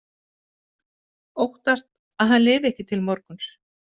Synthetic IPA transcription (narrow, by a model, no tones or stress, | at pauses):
owht̪ast̪̚ | aðɦanlɪːvɛhcɪt̪ʰɪlmɔɾkʏns